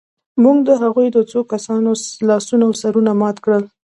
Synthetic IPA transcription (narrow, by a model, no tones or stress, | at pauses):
muŋɡd̪əɦaɣujd̪ət͡sokasɑnolɑsunawsaɾunamɑt̪kɽəl